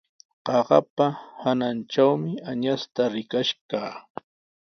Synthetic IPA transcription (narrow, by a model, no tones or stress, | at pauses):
qɑɢɑ̰pahanant͡ʃawmɪaɲast̪aɾɪkaʃkaː